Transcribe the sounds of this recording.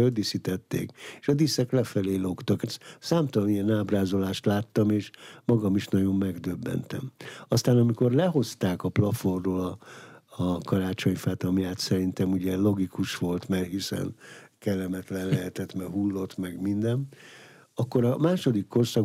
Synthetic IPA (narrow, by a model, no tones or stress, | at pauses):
ød̪isit̪ɛt̪ːḛːkeːʃɒd̪isɛklɛfɛleːlo̞kt̪ɒksaːmt̪ɒlɒnijɛnaːbraːzo̞laːʃt̪laːt̪ːɒmeːʃmɒɡɒmiʃnɒɟo̞mːɛɡd̪øbːɛ̰nt̪ɛ̰mɒst̪aːnɒmiko̞rlɛɦo̞st̪aːkɒplɒforːoːlɒː | kɒɾaːt͡ʃo̞ɲfaːt̪ɒmjaːt̪sɛɾint̪ɛmuɟɛlo̞ɡikuʃʋo̞lt̪mɛrɦisɛ̰nkɛlːɛmɛt̪lɛnlɛɦɛt̪ɛt̪mɛɦulːo̞t̪mɛɡmind̪ɛm | ɒkːo̞ɾɒmaːʃo̞d̪ikːo̞rsɒ